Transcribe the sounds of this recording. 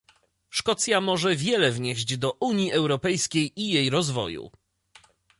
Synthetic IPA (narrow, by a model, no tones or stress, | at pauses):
ʂkɔt̪sʲjamɔʐɛvʲjɛlɛvɲeʑd͡ʑd̪ɔʔuɲjiʔɛwɾɔpɛjskʲejijejɾɔzvɔ̰jṵ